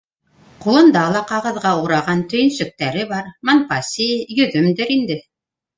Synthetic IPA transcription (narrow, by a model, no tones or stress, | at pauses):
qulˠɤ̆nd̪ɑlˠɑqɑʁɤ̆ðʁɑuɾɑʁɑnt̪ɵ̆jɘ̆nsɵ̆k̚t̪æɾɘbɑɾmɑnpɑsʲijɵ̆ðɵmd̪ɘɾind̪ɘ